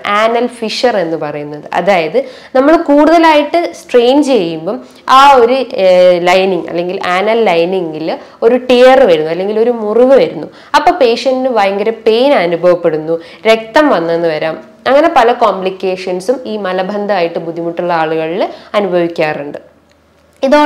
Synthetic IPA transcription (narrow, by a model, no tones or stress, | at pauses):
aːnɐlfiʂɐre̞nːɨpɐrɐjunːɐðɨʔɐ̰ðaːjɐðɨ | nɐmːɐɭkuːɽuðɐlaːjiʈːɨsʈre̞ːnd͡ʑt͡ɕe̞jːumboː | aːo̞ɾulɐjniŋɡɐ̰lːe̞ŋɡilaːnɐlːɐjniŋɡilo̞ɾuʈejɐrʋɐɾunːuɐlːe̞ŋɡilo̞ɾumuriʋɨʋɐɾunːu | ɐpːo̞ːpe̞ːʂɐndɨʋɐjɐŋɡɐɾɐpe̞ːnaːnubʱɐʋɐpːe̞ɽunːu | ɾe̞k̚t̪ɐmʋɐnːenːɨʋɐɾaːm | ɐŋːɐne̞pɐlɐkoːmlikʲːe̞ːʂɐnsumiːmɐlɐbʱɐnd̪ʱɐaːjiʈːɨbud̪ʱːimuʈːuɭːɐaːɭuɣɐɭilɐnubʱɐʋikʲːaːruɳɖɨ | iðoː